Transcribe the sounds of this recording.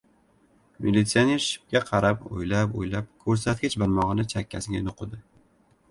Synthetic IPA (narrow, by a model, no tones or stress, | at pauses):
mʔilːit̪sianeɾʃɪ̥p̚ɡʲaqʰɑɾapo̰jlapo̰jlap̚kʰɵɾsat̪̚kʲɪt͡ʃbaɾmɒʁɨnɪt͡ʃʰakʲːasɪɡʲanoqʰɨd̪ɪ